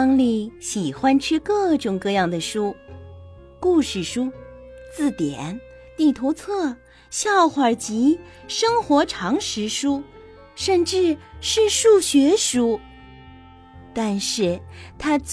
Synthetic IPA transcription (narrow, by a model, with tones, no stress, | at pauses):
ŋli˥˩ɕi˨˩xwa˥nʈ͡ʂʰɻ̩˥kɤ˥˩ʈ͡ʂʊ˨˩ŋkɤ˥˧jɑ˥˩ŋd̪ə˩ʂu˥ | ku˥˧ʂɻ̩˥˩ʂu˥ | t͡sɹ̩˥˩t̪jɛ˨˩˦n | t̪i˥˩t̪ʰo˧˥ʊt͡sʰɤ˥˩ | ɕjɑ˥˩ʊxwa˨˩t͡ɕi˧˥ | ʂɤ˥ŋxwɔ˧˥ʈ͡ʂʰɑ˧˥ŋʂɻ̩˧˥ʂu˥ | ʂə˥˧nʈ͡ʂɻ̩˥˧ʂɻ̩˥˧ʂu˥˩ɕɥɛ˧˥ʂu˥ | t̪a˥˧nʂɻ̩˥˩t̪ʰa˥t͡s